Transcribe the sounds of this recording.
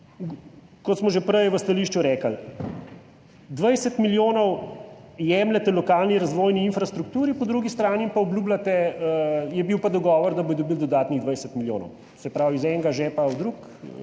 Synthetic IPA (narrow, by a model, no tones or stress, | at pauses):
kɔt̪smɔʒɛpɾəjʋəst̪aliʃt͡ʃuɾɛːkəl | d̪ʋəjsɛt̪miljoːnɔw | jɛmlɛt̪ɛlɔkaːlniɾazʋɔːjniːnfɾast̪ɾukt̪uːɾipɔd̪ɾuːɡist̪ɾaːnimpaɔblʲjublat̪ɛ | jɛbiwpad̪ɔɡɔːʋɔɾd̪ɐbojd̪ɔbiːld̪ɔd̪aːt̪niɣd̪ʋɐjsɛt̪miljo̰ːnɔ̰w | sɛpɾawizɛŋɡaʒɛpawd̪ɾuk